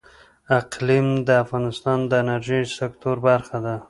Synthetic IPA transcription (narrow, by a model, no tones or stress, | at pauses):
aqlimd̪əafɣɑnɪst̪ɑnd̪əɪnaɾʒisɪkt̪oɾbaɾxad̪a